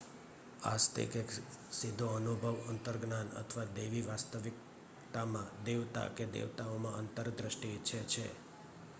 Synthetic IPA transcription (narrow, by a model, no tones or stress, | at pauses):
a̰st̪ʰḭkeksid̪ʱːoənubʱəʋənt̪əɾɡnanə̰t̪ʰʋad̪eʋiʋast̪əʋik̚ | t̪amãd̪eʋt̪a̰ked̪ḛʋt̪aomãʔənt̪əɾd̪ɾəʃʈit͡ʃʰet͡ʃʰe